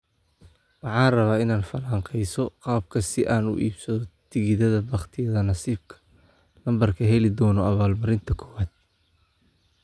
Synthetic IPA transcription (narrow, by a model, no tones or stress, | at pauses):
wɑħɑːnrɐβaːɪnaːnfɐlaːɴqɛjsɔqɑːb̚kʰɐsɪʔaːnʊ̰ʔḭːbsɐðɔt̪ʰɪɣɪðɐðɐbɑχt̪ʰɪjɐðɐnɑsiːb̚kʰɐ̥ | lɐmbɐrkʰɐɦɛlɪd̪ɔːnɔɐβaːlmɐɾɪnt̪ʰɐkʰɔ̥ːwaːd̪̥̚